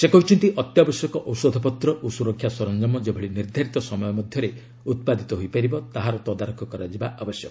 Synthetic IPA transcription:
sekɔit͡ʃʰint̪iʔɔt̪jabɔsjɔkɔʔɔwsɔd̪ʱɔpɔt̪ɾɔʔosuɾɔkʰːjasɔɾɔnd͡ʒɔmɔd͡ʒebʱɔɽiniɾd̪ʱaɾit̪ɔsɔmɔjɔmɔd̪ʱjɔɾe | ut̪̚pad̪ʱit̪ɔɦojpaɾibɔt̪aɦaɾɔt̪ɔd̪aɾɔkʰɔkɔɾad͡ʒibaʔɔbɔsjɔkɔ

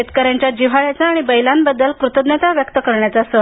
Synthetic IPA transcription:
et̪kəɾjaɲt͡ɕjad͡ʑiʋ̤aɭjat͡saːɽ̃ibəjlambəd̪ːəlkɾut̪əd̪net̪aʋjəkt̪əkəɾɳjat͡sasə

